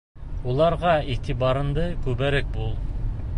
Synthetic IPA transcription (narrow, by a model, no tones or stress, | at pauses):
ulˠɑɾʁɑit̪ʰibɑɾɤ̆nd̪ɤkʉbæɾæk̚bulˠ